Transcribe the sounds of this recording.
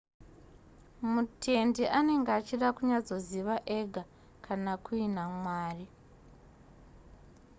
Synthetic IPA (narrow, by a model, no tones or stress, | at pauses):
mutʰe̞ndiʔane̞ŋɡeat͡ʃiɗakuɲad͡zo̞ziʋaʔeɡʱa | kʰanakuinamwaːri